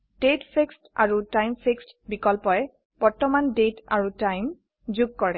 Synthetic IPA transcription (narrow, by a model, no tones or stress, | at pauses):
d̥etpʰeksta̰ɹutajmpʰekst | bikɔlpɔjɛ | pɔɹtɔmandetaɹutajm | zuɡ̚kɔɹɛ